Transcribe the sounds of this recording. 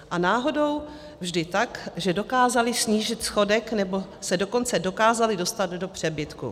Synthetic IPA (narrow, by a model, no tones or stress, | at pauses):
ʔanaːɦo̞do̞w | vʒdɪt̪akʒɛdo̞kaːzalɪsɲiːʒɪt̪sxo̞dɛknɛbo̞sɛdo̞ko̞nt͡sɛdo̞kaːzalɪdo̞st̪ad̪do̞pr̝̥ɛbɪt̪kṵ